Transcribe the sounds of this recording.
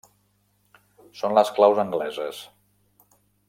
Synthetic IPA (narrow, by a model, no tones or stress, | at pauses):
sonləsklawzəŋɡlɛzəs